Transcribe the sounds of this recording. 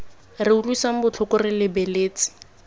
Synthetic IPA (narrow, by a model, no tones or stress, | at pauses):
rɪulwuisaŋ̩bʊt͡ɬʰʊkʊrɪlɪbeleːt͡si̥